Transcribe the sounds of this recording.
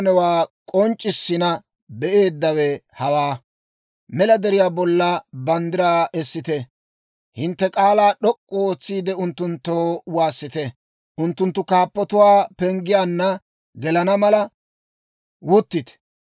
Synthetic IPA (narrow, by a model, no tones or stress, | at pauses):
nɛwaːkʼɔnt͡ʃʼːɪsːɪnɐ | bɛʔe̞ːd̪ːɐwɛhɐwaː | mɛlɐd̪ɛɾɪjaːbɔlːɐbɐnd̪ɪɾaːɛsːɪt̪ɛ | hɪnt̪ːɛkʼaːlaːɗɔkʼːʊoːt͡sːiːd̪ɛʊnt̪ːʊnt̪ːoːwaːsːɪt̪ɛ | ʔʊnt̪ːʊnt̪ːʊkaːpːɔt̪ʊwaːpɛŋɡɪjaːnːɐ | ɡɛlɐnɐmɐlɐ | wʊt̪ːɪt̪ɛ̥